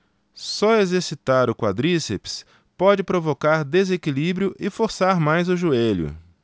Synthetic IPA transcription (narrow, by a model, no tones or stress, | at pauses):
sɔezeɾsit̪aɾʊkwa̰d̪ɾisepɪ̥s | pɔd͡ʒɪpɾovokaɾd̪ezekilibɾjʊʔɪfoɾsaɾmajzʊʒueʎʊ̰